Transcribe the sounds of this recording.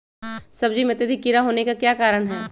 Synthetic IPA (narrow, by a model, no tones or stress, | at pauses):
sɐb̚d͡ʒimẽt̪ed̪ikɪɾaɦoːnekakjaːkaːɾəɽɦɛː